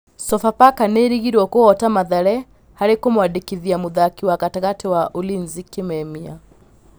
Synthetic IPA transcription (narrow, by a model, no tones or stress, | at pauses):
sɔfapakaneɾiɣiɾwɔkoɔtamaðaɾɛ | haɾekomwadekiðiamuðakiwakataɣatewaʔolinzikemɛmia̰